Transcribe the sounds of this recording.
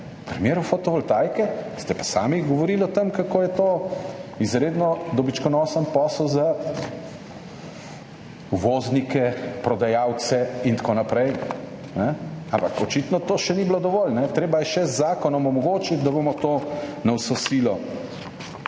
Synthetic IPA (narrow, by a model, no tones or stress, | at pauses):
pɾɛmeːɾufot̪ɔʋɔlt̪aːjkɛst̪ɛpḁsa̰ːmiɡɔʋɔɾilɔt̪əmkakoːjɛt̪oːizɾeːd̪nɔd̪ɔbit͡ʃkɔnɔːsənpɔːslza | uʋoznikɛpɾɔd̪ajaːw̪sɛint̪koːnapɾɛj | nɛampakɔt͡ʃit̪nɔt̪oːʃɛniblod̪ɔʋɔlnɛt̪ɾeːbajɛʃɛzːaːkɔnɔmɔmɔɡoːt͡ʃit̪d̪abomɔt̪oːnawsosilɔ